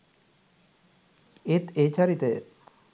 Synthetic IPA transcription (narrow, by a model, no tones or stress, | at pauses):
et̪et͡ʃaɾit̪əj